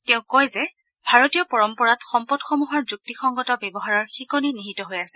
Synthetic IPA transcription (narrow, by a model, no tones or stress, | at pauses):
tɛʊ̃kɔjzɛ | bʱaɹotijɔpɔɹɔmpɔɹatxɔmpɔdxɔmuɦɔɹzuk̚tixɔŋɡɔtɔbɛbɔɦaɹɔɹxikɔniniɦitɔɦojasɛ